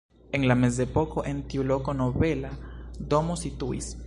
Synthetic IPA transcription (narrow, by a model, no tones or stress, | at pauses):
eŋlames̬d̪epokoʔent̪iulokonoβelad̪omosit̪uḭs